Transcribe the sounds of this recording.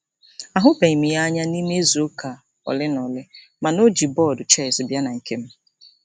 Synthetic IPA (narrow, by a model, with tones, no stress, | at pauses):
a˨ɦʊ˦be˨i˨mi˨ja˦ɲa˦ni˦me˦zo˨˦kʰa˨ | ɔ̰˨lɪ˦nɔ˨lɪ˦ | ma˨no˦d͡ʒi˨bɔ˦˨dʊ˨t͡ʃɛ˦ɪ˨sɪ˨bja˦na˨ŋ̩˨ke˦m̩˦